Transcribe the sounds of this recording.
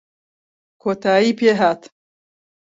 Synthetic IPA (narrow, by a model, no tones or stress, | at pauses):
kʰoːt̪ʰaːjiːpeːɦaːt̪